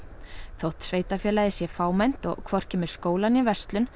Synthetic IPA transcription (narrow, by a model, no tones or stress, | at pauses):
θowht̪sveːjt̪afjɛːlaðɪsjɛfaːwmɛjn̥t̪ɔ̰ɣkʰvɔr̥cɛːmʏɾ̥skoːwlanivɛ̥st̪lʏn